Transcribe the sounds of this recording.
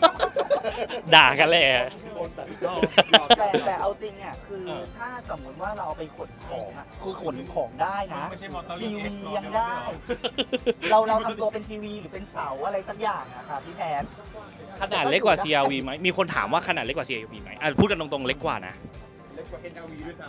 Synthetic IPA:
daː˨˩ka˧lɛː˧˩˧ | t̪ɛː˨˩t̪ɛː˨˩ʔa˧wt͡ɕi˧ŋni˥˩kʰɯː˧t̪ʰaː˥˩so˩˦mːu˦˥t̪̚waː˥˩ɾa˧wpa˧jkʰo˨˩˦nkʰɔː˩˦ŋʔa˩kʰɯː˧kʰo˨˩˦nkʰɔː˩˦ŋdaː˥˩jna˦˥ʔ̪ʰiː˧wiː˧ja˧ŋdaː˥˩j | ɾa˧wɾa˧wt̪ʰa˧mt̪u˧pe˧nt̪ʰiː˧wiː˧ɾɯː˨˩˦pe˧nsa˩˦wʔa˧ɾa˧jsa˦˥k̚jaː˨˩ŋa˧˩kʰa˦˥˩t̪ʰiː˥˩pʰɛː˦˥s̚ | kʰa˧naː˨˩t̪̚le˦˥k̚waː˨˩siː˧ʔaː˧wiː˧ma˦˥jmiː˧kʰo˧nt̪ʰa̰ː˩˦mwaː˥˩kʰa˧naː˨˩le˦˥kwa˨˩siː˧a˧wiː˧ma˦˥jʔa˨˩pʰuː˥˩t̪̚ka˧nt̪o˧ŋt̪o˧ŋle˦˥kːwa̰ː˨˩na̰˦˥ʔ

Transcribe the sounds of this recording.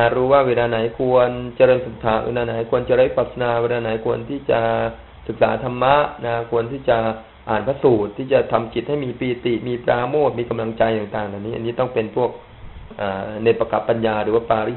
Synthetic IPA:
a˧˩ɾuː˦˥waː˥˩weː˧laː˧na˩˦jkʰu˧ənt͡ɕa˧ɾɤː˧nsa˨˦t̪ʰa˨˩wḛː˧laː˧na˩˦jkʰu˧ənt͡ɕa˧ɾaː˦˥jpaː˨˩t̪̚sa˧naː˧weː˧˥laː˧na˩˦jkʰu˧ənt̪ʰiː˥˩t͡ɕa˨˩ʔ | sɯ˨˩k̚saː˩˦t̪ʰa˧mːa˦˥ʔna˦˥kʰu˧ənt̪ʰiː˥˩t͡ɕa˨˩ | ʔaː˨˩npʰa˦˥suː˨˩t̪ʰːiː˥˩t͡ɕa˨˩t̪ʰa˧mt͡ɕi˨˩t̪̚ha˥˩jmiː˧piː˧˩t̪i˨˩miː˧pɾaː˧moː˥˩t̪̚miː˧ka˧mla˧ŋt͡ɕa˧jt̪aː˨˩ŋt̪aː˨˩ŋʔa˨˧˩niː˦˥ʔa̰˧nːiː˦˥t̪ɔ˥˩ŋpe˧npʰu˥˩ək̚ | ʔaː˨˩ne˧pɾa˧ka˨˩pːa˧njaː˧ɾɯː˨˩˦waː˥˩paː˧ɾi˦˥˩

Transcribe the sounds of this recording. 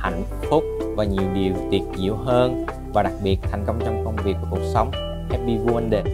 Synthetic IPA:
ha̰˧˨˩jŋ̟ | fʊ˦˥k͡p̚vaː˨˩ɲi˨˩əwɗi˨˩əwt̪i˨˩ət̚zḭ˧˥əwɦəː˧n | vaː˨˩ɗa˨˩k̚ɓi˨˩ət̚t̪ʰa˨˩jŋ̟kə˧wŋ͡mt͡ɕɔ˧wŋ͡mkə˧wŋ͡mvi˨˩ək̚ːku˨˩ək̚sə˨˦wŋ͡m | ʔɛ˦˥p̚ɓi˧ɣu˧ə˧nɗe˧˩

